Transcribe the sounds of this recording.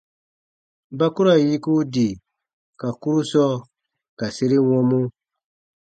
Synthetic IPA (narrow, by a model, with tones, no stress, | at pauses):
ba˦ku˦ɾa˨ji˦ku˦di˨ | ka˨ku˦ɾu˦sɔː˦ | ka˨se˦ɾi˦wɔ̃˦mũ˦